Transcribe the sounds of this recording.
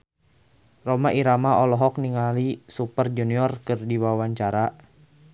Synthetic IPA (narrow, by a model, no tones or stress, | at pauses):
romaʔiɾamaɔlɔɦɔk̚niŋalisupərd͡ʒuniɔrkɨrdiwawaɲt͡ʃaɾa